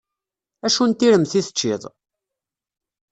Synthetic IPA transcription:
æʃunt̪ːiɾəmθiθə̥t͡ʃːiðˤ

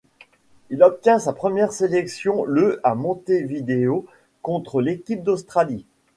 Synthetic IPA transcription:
ilɔp̚t̪jɛ̃sapχəmjɛʁselɛksjɔ̃ləamɔ̃t̪evid̪eo | kɔ̃t̪χəlekʲip̚d̪ost̪χali

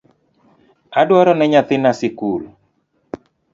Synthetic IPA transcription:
adwaɾɔnɛɲat̪ɪnasɪkul

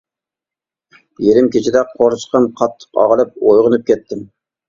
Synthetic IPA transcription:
jeɾɪmkʲʰet͡ʃʰɪd̪ɛqʰoɾt͡ʃqəmqʰɑt̪ʰːə̥qɑ̰ʁəlˠɨp̚ojʁənɨp̚kʲɛt̪ʰːɪm

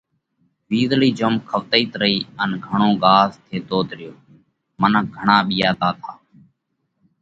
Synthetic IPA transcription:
ʋiːzliːd͡ʒomkʰəʋt̪əiːt̪ɾəiːənɡʱəɳõːɠaːst̪ʰeːt̪oːt̪ɾɪjoː | mənəɡʱəɳaːɓiːaːt̪aːt̪ʰaː

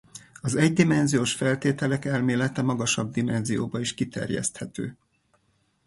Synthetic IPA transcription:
ɒzɛɟd̪imɛnzijoːʃfɛlt̪eːt̪ɛlɛkɛlmeːlɛt̪ɛmɒɡɒʃɒb̚d̪imɛnzijo̰ːbɒiʃkit̪ɛ̰rjɛ̰st̪hɛt̪ø̰ː

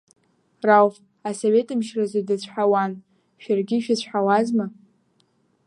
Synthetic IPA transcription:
rawf | asoɥe̞tʼɨmʃrazadɨt͡ɕʷʰħawan | ʃᶣarɡʲɪʃᶣat͡ɕʷʰħawazma

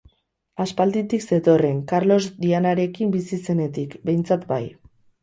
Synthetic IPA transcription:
aspald̪it̪ikse̞t̪o̞re̞ŋkaɾlo̞zd̪ianaɾe̞kimbisise̞ne̞t̪ikbe̞jnt͡sat̪ba̰j

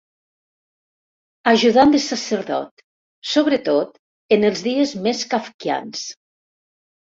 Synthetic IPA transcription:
aʒuðand̪əsasəɾðɔ̰t̪ | soβɾət̪ot̪ | ənəlˠzðiəzmeskafkia̰ns

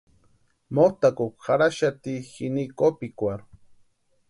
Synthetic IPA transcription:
mot̪akokxaɾaʃat̪ixinikopikʷaɾ

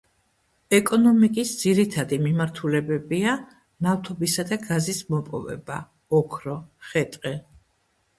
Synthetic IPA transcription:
ɛkʼɔnɔmikʼisd̪z̥iɾit̪ʰad̪imimaɾt̪ʰulɛbɛbia | naft̪ʰɔbisad̪aɡazismɔpʼɔvɛ̰ba̰ | ɔkʰɾɔχɛt̪ʼqʼɛ

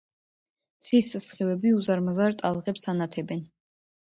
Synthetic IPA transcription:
sissχivɛbiuzaɾmazaɾt̪ʼalˠʁɛpsanat̪ʰɛbɛn

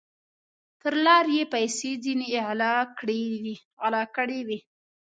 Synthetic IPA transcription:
t̪əɾlɑɾjepajsezineːʕlɑkɽedi | alɑkəɽewi

